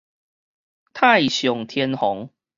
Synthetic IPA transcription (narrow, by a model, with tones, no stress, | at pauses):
t̪ʰa˥˨ɪɕjɔ˨˩ŋt̪ʰjɛ˦nhɔ˨˦ŋ